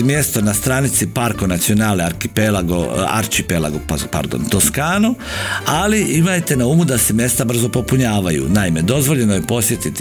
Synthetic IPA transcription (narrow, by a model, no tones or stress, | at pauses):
mje̞st̪o̞nast̪ɾaːnit̪sipaɾko̞nat̪sio̞naːlneaɾkipelaɡo̰a̰ɾt͡ʃipela̰ɡopapa̰ɾd̪o̰nt̪oskaːno | aliimajt̪e̞naumud̪asemje̞st̪abr̩zo̞po̞puɲaːʋajṵnaime̞d̪o̞zʋo̞ʎe̞nojepo̞sjet̪it̪